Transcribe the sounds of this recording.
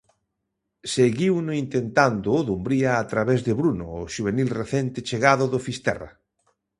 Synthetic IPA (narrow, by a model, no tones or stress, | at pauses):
seɣiwnʊint̪ent̪and̪ʊðumbɾiaːt̪ɾaβezðeβɾunʊːʃuβenilreθent̪ɪt͡ʃeɣaðʊðofist̪ɛ̰ra̰